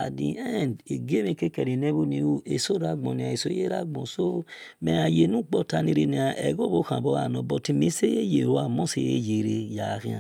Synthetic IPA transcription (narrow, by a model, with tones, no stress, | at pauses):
a̰˨di˨ɛ˦nde˨ɡe˦mĩ˧ke˦kɛ˨ɾi˨ne˦βo˦nĩ˧u˦e˨so˦ɾa˦ɡ͡bɔ̃˨nĩ˧a˨e˨so˦je˦ɾa̰˦ɡ͡bɔ̃˨so˦me˧˦a˨je˨nũ˦k͡pɔ˦˨ta˧ni˧ɾe˧nĩ˧a˧ʔɛ˨ɡo˦bo˦xã˨bɔ˧a̰˨nɔ̃˧˨bɔ˧ti˧mĩ˦se˦je˦je˨ɾo˦a˨mɔ̃˦˨se˧˨je˦je˨ɾe˧ja˨hi˦ã̰˨